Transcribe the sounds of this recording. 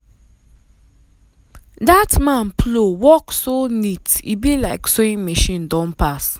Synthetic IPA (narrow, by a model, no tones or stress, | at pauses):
datmãnplowɔksonitḭbilaɪksoĩnmiʃĩndɔ̃npas